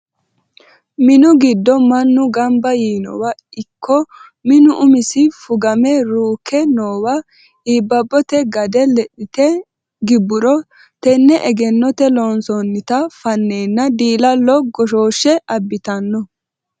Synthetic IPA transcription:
mɪnʊɡɪd̪ːɔmɐnːʊɡɐmbɐjiːnɔ̰wɐɪkʰːɔ | mɪnʊʔʊmɪsɪfʊɡɐmɛɾuːkːɛnoːwɐ | iːbːɐbːɔt̪ɛɡɐd̪ɛlɛɗɪt̪ɛ | ɡɪbːʊɾɔ | t̪ɛnːɛʔɛɡɛnːɔt̪ɛlɔːnsɔnːɪt̪ɐfɐnːeːnːɐd̪iːlɐlɔɡɔʃo̞ːʃːɛʔɐbːɪt̪ɐnːɔ

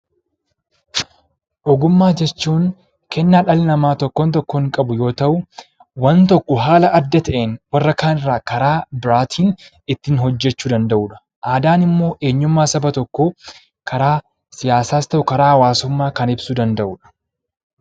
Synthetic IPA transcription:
ʔɔɡʊmːaːd͡ʒɛt͡ʃːuːŋ | kɛnːaːᶑɐlnɐmaːt̪ɔkːɔnt̪ɔkːɔɪŋkʼɐbʊjo̞ːt̪ɐʔʊ | wɐnt̪ɔkːɔɦaːlɐʔɐd̪ːɐt̪ɐʔeːnwɐrːɐkaːnɪrːaːkɐɾaːbɪɾaːt̪ʰiːn | ɪt̪ːɪnhɔd͡ʒːɛt͡ʃːuːd̪ɐnd̪ɐʔuːᶑɐ̥ | ʔaːd̪aːnɪmːo̞ːʔe̞ːɲːʊmːaːsɐbɐt̪ɔkːo | kʰɐɾaː | sɪjaːsaːst̪ɐʔʊkɐɾaːhɐwaːsʊmːaːkɐnɪbsud̪ɐnd̪ɐʔuːᶑɐ̥

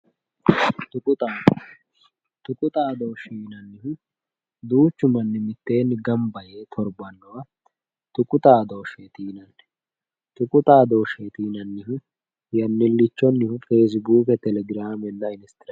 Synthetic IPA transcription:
t̪ʊkʼʊt̪ʼaː | t̪ʊkʼʊt̪ʼaːd̪oːʃiːnɐnːɪhʊ | d̪uːt͡ʃːʊmɐnːɪmɪt̪ːe̞ːnːɪɡɐmbɐjeːt̪ʰɔɾbɐnːɔwɐ | t̪ʊkʼʊt̪ʼaːd̪o̞ːʃeːt̪iːnɐnːɛ̥ | t̪ʊkʼʊt̪ʼaːd̪o̞ːʃeːt̪iːnɐnːɪhʊ | jɐnːɪlːɪt͡ʃːɔnːɪhʊfe̞ːs̬buːkɛt̪ɛlɛɡɪɾaːmɛnːɐɪnɪst̪ɪɾ

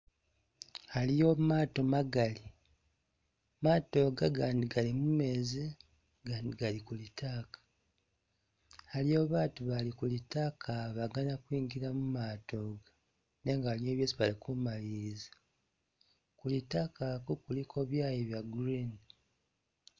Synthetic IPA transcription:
halijo̞maːto̞maɡali | maːto̞ːɡaɡaːndiɡalimume̞ːzi | ɡaːndiɡalikulitakḁ | halijoβaːtuβalikulitakʰaβaɡanakwiːŋɡiɾamumaːto̞ːɡa | ne̞ŋɡahalijo̞ːβjesiβalikumaliɾizḁ | kulitakakukulikʰo̞βjaːjiβjaɡuɾin

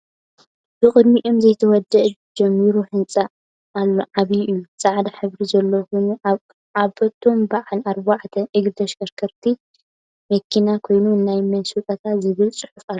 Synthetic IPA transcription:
b̥ɨxʼɨd̪miʔomzɐjt̪ʰɐwɔd̪ɐʔd͡ʒɐmːiɾuħɨnt͡sʼaː | lːoʕaβiʔɨjːusʼaʕd̪aħɨβɾizɐlːokon | aβfɐt̪ʰo̞mbaʕalaɾbaʕt̪ʰɐʔɨɡd̪ɐʃkʰɐɾkʰɐɾt̪ʰi | mɐkʰːinakʰo̞jnuɨnːajmɐnsut̪ʼɐt̪ʰat̪zɨβɨlt͡sʼɨħɨfʼalːo

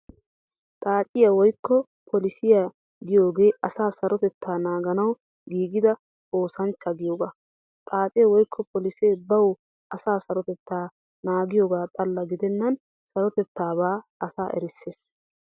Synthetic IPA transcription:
t̪ʼaːt͡ʃʼɪjɐwɔjkːɔ | pʰɔlɪsɪja | ɡɪjo̞ːɡe̞ːɐsaːsɐɾɔt̪ɛt̪ʰːaːnaːɡɐnɐw | ɡiːɡɪd̪ɐ | oːsɐnt͡ʃːɐɡɪjoːɡaː | t̪ʼaːt͡ʃʼɪjɐwɔjkʰːɔpɔlɪseːbɐw | ʔɐsaːsɐɾɔt̪ɛt̪ːaː | naːɡɪjoːɡaːt̪ʼɐlːɐɡɪd̪ɛnːɐn | sɐɾɔt̪ɛt̪ːaːbaːɐsaːʔɛ̰ɾɪsːeːs

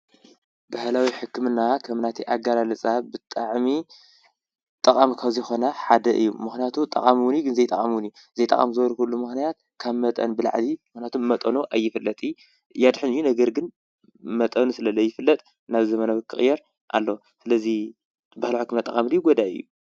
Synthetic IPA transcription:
bahlawiħɨkːɨmɨnːakʰɐmnat̪ʰiʔaɡalalɨt͡sʼabɨt̪ʼaʕmi | t̪ʼɐkʼamkʰaβzijxo̞nɐħad̪ɐʔɨ̰jːumɨxnijat̪ʰut̪ʼːɐ̰kʼamwʊnjɡɨnzɐjt̪ʼɐkʼamwʊniju | zɐjt̪ʼɐ̰kʼa̰mzɨwɐlkulːumɨxnijat̪̚ | kʰaβmɐt̪ʼɐ̰nbɨla̰ʕlimɨxnijat̪ʰumːɐt̪ʼɐnuʔajːɪfɨlːɐt̪ʼi | jad̪ħɨnɨjːunɐɡɐɾɡɨn | mɐt̪ʼɐnusɨlɐlɐjːɪfɨlːɐt̪ʼ | naβzɐmɐnaβɨkʰːɨxʼjɛɾ | ʔa̰lːo | sɨlɐzi | bahlawiħɨkːɨmnat̪ʼɐ̰amd̪ijɡod̪aɨ̰jːu

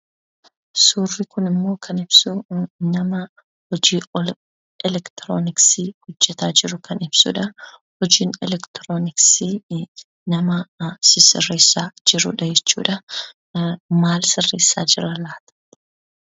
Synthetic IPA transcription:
suːrːɪkʊnɪmːo̞ːkʰɐnɪb̥sʊnɐmɐ | hɔd͡ʒiːɔl | ɛlɛkt̪ɾoːnɪksihʊd͡ʒːɛt̪aːd͡ʒɪɾʊkʰɐnɪb̥sṵːᶑɐ | hɔd͡ʒiːnɛ̰lɛkt̪ɾoːnɪksi | nɐmɐsɪsɪ̰reːsːaːd͡ʒɪɾʊ̰ᶑɐd͡ʒɛt͡ʃːṵːᶑɐ | maːlsɪrːeːsːa̰ːd͡ʒɪrɐlaːt̪ɐ̥

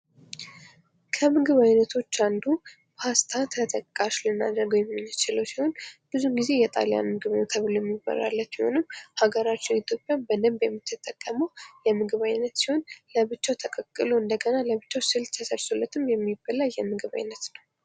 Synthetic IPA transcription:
kʰəmɨɡɨβajnət̪ʰo̞t͡ʃːand̪u | bast̪ʰat̪ʰət̪ʰəkʼːaʃlɨnːa̰d̪əɾɡəwjɛmːɨnːɨt͡ʃɪləwsiho̞nb̥ɨzuɡize̞jɛt̪ʼa̰leja̰nmɨɡɨβnot̪ʰəβlojɛmːibə̰ɾa̰lːət͡ʃ̪ːmiho̞̰nɨmhaɡəɾat͡ʃːɪnit̪ʰjo̞pʼjabəd̪ɨmbjɛmːit̪ʰːɨt̪ʼəkʼːəməwjɛmɨɡɨβajnːət̪siho̞nləβɨt͡ʃːawt̪ʰəkʼəkʼːɨloɨnd̪əɡənaləβɨt͡ʃːawsɨlt̪ʰəsəɾsolːət̪ʰɨmjɛmːibːəlajɛmɨɡɨβa̰jnːət̪nəw

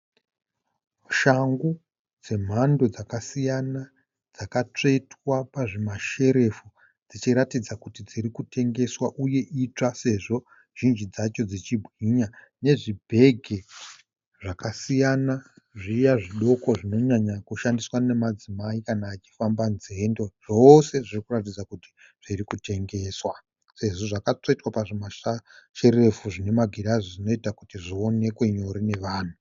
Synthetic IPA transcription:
uʃaŋɡu | d͡ze̞m̤ando̞d͡zakasijana | d͡zakat͡ʂe̞twapaʐemaʃe̞ɾe̞fu | d͡zit͡ʃiɾatid͡zakutid͡ziɾikutʰe̞ŋɡe̞swaʔuje̞ʔit͡ʂase̞ʐo̞ | ʒ̥ind͡ʒid͡zat͡ʃo̞d͡zit͡ʃibʱwiɲa | ne̞ʐibʱe̞ɡʱe̞ | ʐakasijana | ʐijaʐiɗo̞ko̞ʐino̞ɲaɲakuʃandiswane̞mad͡zimaikanaːt͡ʃi̥fambanzendo̞ʐ̥o̞se̞ʐirikurat̬id͡zakuti̥ | ʐ̥irikute̞ŋɡe̞ːswa | se̞ʐo̞ʐakat͡soitwapaʐemaʃaʃe̞ɾe̞fuʐine̞maɡʱiɾaʐozino̞itakutiʐio̞ne̞kwe̞ɲo̞ɾine̞ʋaːn̤u

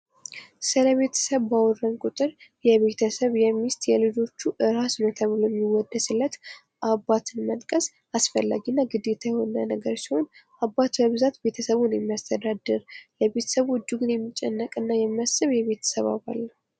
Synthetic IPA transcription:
sɨləβe̞t̪ʰə̥səβːawɔrənkʼʊt̪ʼɨɾjɛβe̞t̪ʰəsəβjɛmːist̪jɛlɨd͡ʒo̞t͡ʃːuʔɨɾasnojɛt̪ʰəβɨlojɛmːiwɔd̪ːəsɨlːət̪ | ʔabːat̪ʰɨnmənkʼəs | asfəlːa̰ɡinːaɡɨd̪e̞t̪ʰajɛho̞nənəɡəɾsiho̞nʔabːat̪bəβzat̪be̞t̪ʰəsəβunjmːiast̪ʰəd̪ad̪ɨɾləbe̞t̪ʰə̥səβɔt͡ʃːuɡɨnjɛmːit͡ʃʼːɛnːəkʼɨnːajɛmːəsɨβjɛβe̞t̪ʰə̥səβa̰βa̰lːə

